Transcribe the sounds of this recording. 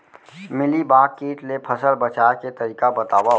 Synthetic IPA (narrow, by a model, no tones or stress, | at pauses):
mɪlibaːkːeːʈlepʰəsəlbət͡ʃaːket̪əɾiːkabɐt̪aːwa